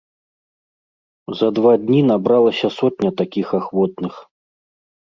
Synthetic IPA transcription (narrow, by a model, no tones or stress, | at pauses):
zɐd̪vad̪ʲnʲinabɾalˠɐsʲɐsɔt̪̚ʲnʲɐt̪akʲixaxvɔt̪̚nɨx